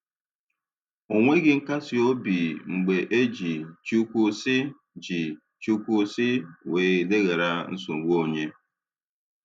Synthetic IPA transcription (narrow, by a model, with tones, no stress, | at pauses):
o˨ŋʷe˦ɡɪ˦ŋ̩˦ka˦sɪ˦o˦bi˨ŋ͡m̩˨ɡ͡be˨ʔe˦d͡ʒi˨t͡ʃu˦kʷu˦sɪ˦ | d͡ʒi˨ | t͡ʃu˦kʷu˦sɪ˦weː˨i˨le˦ɣe˨ɾa˦n̩˦sʊ˨ɡ͡bo˦˨ɲe˦